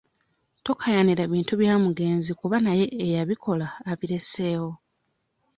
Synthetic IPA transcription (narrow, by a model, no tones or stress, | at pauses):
to̞kʰajaniɾeβiːntuβjaːmuɡe̞ːnzikuβanaje̞ːjaβikʰo̞laːβiɾe̞se̞ːwo̞